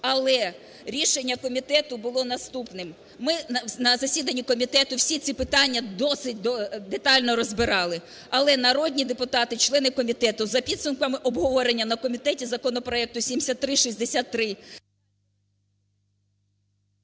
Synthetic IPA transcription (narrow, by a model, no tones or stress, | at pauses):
ɐlˠɛ | ɾʲiʃenʲːɐkɔmʲit̪ɛt̪ʊbʊlˠɔnɐst̪upnɪm | mɪnɐzɐsʲid̪ɐnʲːikɔmʲit̪ɛt̪ʊwsʲit̪t͡sʲipɪt̪ɑnʲːɐd̪ɔsɪt̚ʲd̪ɔd̪et̪ɑlʲnɔɾɔzbɪɾɑlˠɪ | ɐlˠɛnɐɾɔd̪ʲnʲid̪epʊt̪ɑt̪ɪt͡ʃlˠɛnɪkɔmʲit̪ɛt̪ʊzɐpʲid̪sʊmkɐmɪʔɔbɦɔʋɔɾenʲːɐnɐkɔmʲit̪ɛtʲizɐkɔnɔpɾɔɛk̚t̪ʊsʲimʲsʲɐt̪ːɾɪʃisʲd̪esʲat̪ːɾɪ